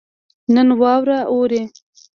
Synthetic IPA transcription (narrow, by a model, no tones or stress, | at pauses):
nənwɑwɾaʔoɾe